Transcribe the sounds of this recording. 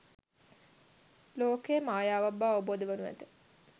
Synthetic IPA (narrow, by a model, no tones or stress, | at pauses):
loːkejːmaːjaːʋabːaːʋəboːd̪əʋənuʋæ̰t̪ə